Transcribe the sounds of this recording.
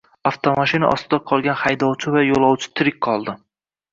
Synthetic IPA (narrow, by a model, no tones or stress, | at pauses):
aft̪ʰomaʃɪnaʔɒ̰st̪ʰɪd̪aqʰɒlˠɡʲanhajd̪ɒwt͡ʃʰɪvajolˠɒwt͡ʃʰɪ̥t̪ʰɪɾɪk̚ʲqʰɒlˠd̪ɪ